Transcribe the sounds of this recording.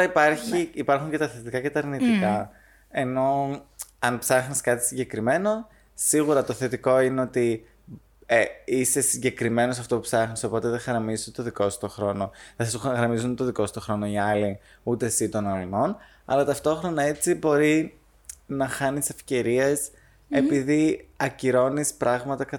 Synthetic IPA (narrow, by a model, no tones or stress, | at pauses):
ɐipɐɾçiːpɐɾxuɲcet̪ɐθet̪ikɐce̞t̪ɐːɾnit̪ikɐ | e̞no̞ | ɐnpsɐxniskɐt̪isiɲɟe̞kɾime̞no̞ | siɣuɾɐt̪o̞θe̞t̪iko̞ineo̞t̪i | eist̪e̞siɲɟe̞kɾime̞no̞sɐft̪oupsɐxniso̞po̞t̪e̞ðexɐɾɐmizuet̪oðiko̞sst̪oxɾo̞no̞θesɐsɣɾɐmizunt̪oðiko̞st̪o̞xɾo̞no̞iɐli | ut̪esit̪o̞nɐlino̞n | ɐ̰lɐt̪ɐft̪o̞xɾo̞nɐe̞t͡sibo̞ɾi | nɐxɐnise̞fce̞ɾie̞s | e̞piðiɐciɾo̞nispɾɐɣmɐt̪ɐkɐ